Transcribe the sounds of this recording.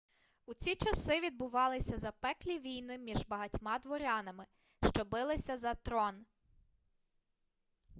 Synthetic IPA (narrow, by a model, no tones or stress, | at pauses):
ut͡sʲit͡ʃɐsɪʋʲid̪̚bʊʋɑlˠɪsʲɐzɐpɛklʲiʋʲijnɪmʲiʒbɐɦɐtʲmɑd̪ʋɔɾʲɑnɐmɪ | ʃt͡ʃɔbɪlˠɪsʲɐzɐt̪ɾɔn